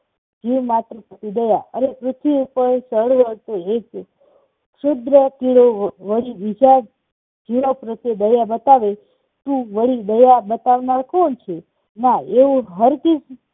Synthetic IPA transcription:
d͡ʒiʋmat̪ɾəkət̪id̪əjaʔə̰ɾepɾʊt̪ʰiupəɾsəɽʋət̪oek | ʃʊd̪ɾək̪iɭoʋəɽiʋid͡ʒa | d͡ʒiɭopɾət̪jed̪əjabət̪aʋe | t̪ũʋəɭid̪əjabət̪aʋnaɾkont͡ʃʰe | naeʋũɦəɾkid͡ʒ

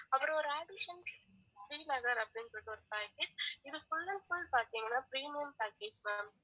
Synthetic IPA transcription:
ɐpːɯɾõɔɾɯaːɖɪʃɐns | fiːlɐɣɐɾɐpːɐɽɪnsɔʈːɔɾɯpaːkeʈ̚ɪðɯsʊlːɐkʊlpaːɾt̪iːŋɡɐnːaːpɾiːmeːmpaːkeːd͡ʒmam

